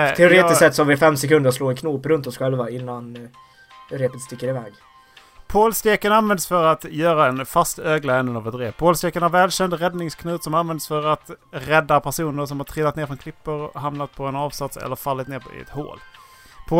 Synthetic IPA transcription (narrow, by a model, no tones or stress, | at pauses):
ɛʊɾeːɪssɛt̪ːsɔhavɪfɛmsɛkɵnd̪əɾsloːɪkʰnuːpɾɵnt̪ɔsɧɛlvaɪnːan | ɾeːpət̪st̪ɪkːəɾɪvɛːɡ | pʰoːlst̪eːkənanvɛnd̪əsfœɾat̪jœːɾaɛnfast̪øːɡlaɛnːənavɛt̪ːɾeːpʰoːlst̪eːkənhaɾvɛːlɕɛnd̪ɾɛd̪nɪŋskʰnʉ̟ːt̪sɔmanvɛnd̪sfœɾat̪ɾɛd̪ːapʰæʂuːnəɾʂɔmhaʈ̪ʰɾɪlːat̪neːɾfɾɔnkʰlɪpːəɾɦamnat̪̚pʰɔɛnɑːvsat̪sɛ̰lːəɾfalːɪt̪neːɾpʰɪ̰ɛ̰t̪ho̰ːl | pʰoː